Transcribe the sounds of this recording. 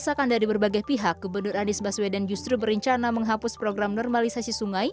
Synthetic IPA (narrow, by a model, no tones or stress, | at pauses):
sakandaɾibərbaɡajpiɦak̚ɡubərnʊranɪsbaswedand͡ʒust̪ɾubəɾəɲt͡ʃanaməŋɦapʊspɾoɡɾamnɔrmalisasisuŋaj